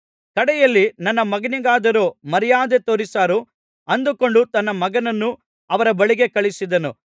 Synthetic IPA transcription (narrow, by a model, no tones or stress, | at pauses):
kɐɽɛjɐlːinɐnːɐmɐɡɐniɡaːd̪ɐɾoːmɐɾijaːd̪et̪oːɾisaːɾu | ɐnd̪uko̞ɳɖut̪ɐnːɐmɐɡɐnɐnːu | ɐʋɐɾɐbɐɭiɡe̞kɐɭisid̪ɐnu